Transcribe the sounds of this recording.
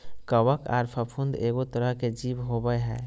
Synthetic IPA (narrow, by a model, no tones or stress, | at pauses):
kəwəka̰ːɾpʰəpʰund̪eɡot̪əɾəɦked͡ʒibɦobəjɦɛː